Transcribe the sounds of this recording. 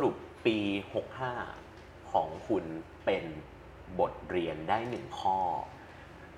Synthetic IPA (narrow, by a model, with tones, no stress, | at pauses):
ɾu˨˩pːiː˧ho˨˩k̚haː˥˩ | kʰɔː˩˦ŋkʰu˧n | pe˧n | bo˨˩t̪̚ɾi˧əndaː˥˩jnɯ˨˩ŋkʰɔː˥˩